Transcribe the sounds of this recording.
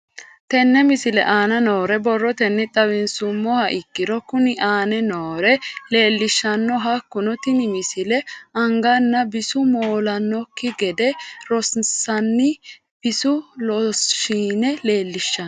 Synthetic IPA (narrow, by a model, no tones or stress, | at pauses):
t̪ɛnːɛmɪsɪlɛ̰ʔaːnɐnoːɾɛbɔrːɔt̪ɛnːɪt̪ʼɐwɪnsʊmːɔhɐʔɪkːɪɾɔkʊnɪʔaːnɛnoːɾɛle̞ːlːɪʃːɐnːɔɦɐkːʊnɔt̪ɪnɪmɪsɪlɛʔɐŋɡɐnːɐbɪsʊmoːlɐnːɔkːɪɡɛd̪ɛɾɔssɐnːɪ | b̥ɪsʊlɔsːiːnɛle̞ːlːɪʃːɐ